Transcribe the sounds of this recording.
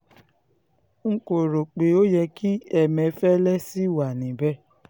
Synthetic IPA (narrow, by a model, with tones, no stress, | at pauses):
ŋ̩˦ko˨ɾo˨k͡pe˨o˦jɛ˧kʰi˦ɛ˦˨mɛ̃˨˧fɛ˦lɛ˦si˦wa˨nĩ˨bɛ˦